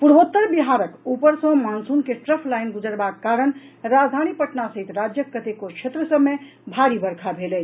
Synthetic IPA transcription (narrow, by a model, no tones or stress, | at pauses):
puɽbot̪ːəɾbiɦaɾəkupəɾsə̃mansunkesʈɾəpʰlajnɡud͡ʒəɾbakːaɾənɾad͡ʒd̪ʱañipəʈnasəɦit̪ɾad͡ʒjəkːət̪ekokt͡ʃʰet̪ɾəsəbme | bʱaɾibəɾkʰabʱelɛ